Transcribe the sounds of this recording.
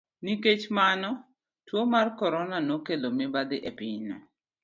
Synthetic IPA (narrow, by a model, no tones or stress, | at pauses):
niket͡ʃmanɔ | twomarkɔɾɔnanokelomɪbad̪ɪʔepɪɲnɔ̰